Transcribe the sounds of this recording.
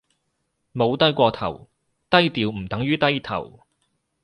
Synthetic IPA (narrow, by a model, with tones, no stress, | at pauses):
mo˨˧wt̪ɐ˥jkʷɔː˧t̪ʰɐ˨˩w | t̪ɐ˥jt̪iː˨wm̩˨˩t̪ɐ˨˥ŋjyː˥t̪ɐ˥jt̪ʰɐ̰˨˩w